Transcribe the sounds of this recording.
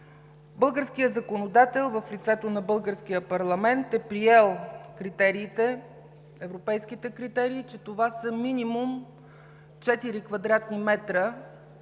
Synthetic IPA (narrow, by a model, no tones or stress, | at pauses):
bɤlˠɡəɾsk̟ijəzɐkonod̪at̪ɛlˠvəflʲit̪sɛt̪onɐbɤlˠɡəɾsk̟ijəpɐɾlˠɐmɛnt̪ɛpɾiɛlˠkɾit̪ɛɾiːt̪ɛ | ɛvɾopɛjsk̟it̪ɛkɾit̪ɛɾiːt͡ʃɛt̪ovasəminimum | t͡ʃɛt̪iɾikvɐd̪ɾat̪nimɛt̪ɾə